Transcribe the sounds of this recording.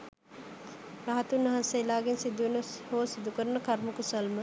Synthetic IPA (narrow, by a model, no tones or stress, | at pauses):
raɦat̪unːɐɦanseilaːɡensid̪uʋenəhoːsid̪ukəɾənəkaɾməkusəlmə